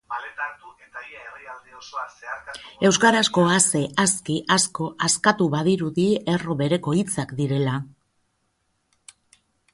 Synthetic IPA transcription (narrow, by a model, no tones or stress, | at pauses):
balet̪aɾt̪uet̪aiaeriald̪iosoaseaɾkae̞wskaɾasko̞ase̞askiʔasko̞ʔaskat̪uβaðiɾuðie̞ro̞βe̞ɾe̞ko̞it͡sakd̪iɾe̞la